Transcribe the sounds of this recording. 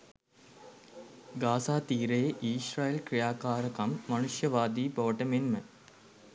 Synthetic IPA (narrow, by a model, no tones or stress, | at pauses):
ɡaːsaːt̪iːɾejeʔiːsɾaːjelkɾijaːkaːɾəkɐmːɐnuʃjɐʋaːd̪iːbɐʋəʈəmenmə